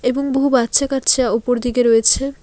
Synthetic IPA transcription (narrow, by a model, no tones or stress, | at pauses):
eboŋboɦubatːʃʰakaɾt͡ɕʰeaupoɾd̪iɡeɾoet͡ɕʰe